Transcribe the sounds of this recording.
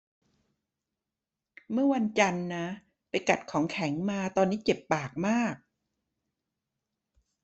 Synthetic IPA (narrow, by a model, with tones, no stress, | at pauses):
mɯ˥˩ɐwa˧nt͡ɕa˧nːa˦˥ | pa˧jka˨˩t̪̚kʰɔː˩˦ŋkʰɛ˨˩˦ŋmaː˧t̪ɔː˧nːiː˦˥t͡ɕe˨˩pːaː˨˩k̚maː˥˩k̚